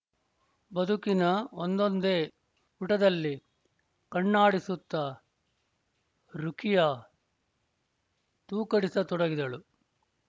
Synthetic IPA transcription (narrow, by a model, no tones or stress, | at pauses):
bɐd̪ʱukinɐond̪ond̪e̞ː | uʈɐd̪ɐlːi | kɐɳːaːɽisut̪ːɐ | ɾukʰijɐ | t̪uːkɐɽisɐt̪ɔɽɐɡid̪ɐɭu